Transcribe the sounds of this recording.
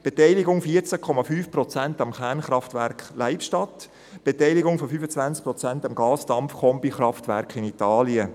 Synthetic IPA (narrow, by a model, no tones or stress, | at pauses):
b̥etɛɪlɪɡʊŋfiːəɾt͡sakʰɔmɑfyːfprɔt͡sæntɑmχɛɾnχɾɑftvæɾkχlaɪpʃtɑt | b̥etɛɪlɪɡʊŋfɔfyːfət͡sʋænt͡sk̚pɾɔt͡sæntɑmɡɑːsd̥ɑmfkʰɔmpiχrɑftvæɾkχɪnitɑːliə